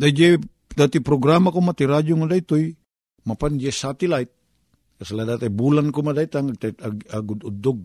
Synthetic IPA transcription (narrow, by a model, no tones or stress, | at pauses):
daid͡ʒe | d̪at̪ipɾɔɡɾamakomat̪iɾad͡ʒuŋadait̪oj | mapand͡ʒesat̪ilait̪̚ | kasaladat̪aibulankumadait̪aŋat̪at̪aaɡud̪ud̪ɔɡ̚